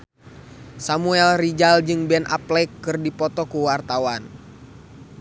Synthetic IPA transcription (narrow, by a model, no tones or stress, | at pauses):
samuɛlrid͡ʒald͡ʒɨŋbɛnʔa̰plɛkːɨrdipɔt̪ɔkuwart̪awan